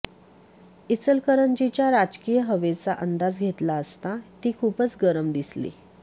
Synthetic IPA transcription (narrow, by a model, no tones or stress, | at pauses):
it͡səlkəɾənd͡ʑit͡ɕjaɾad͡ʑkijəɦəʋet͡saʔənd̪ad͡zɡʱet̪laəst̪at̪iːkʰuːpət͡sɡəɾəmd̪islḭ